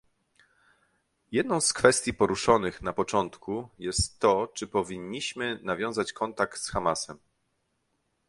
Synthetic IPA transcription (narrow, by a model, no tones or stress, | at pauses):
jɛd̪̚nɔ̃w̃skfɛst̪ʲjipɔɾuʂɔnɘxnapɔt͡ʂɔnt̪kujɛst̪ːɔt͡ʂɘpɔvʲiɲːiɕmɘnavʲjɔ̃w̃zat͡ɕkɔnt̪ak̚t̪sxamasɛm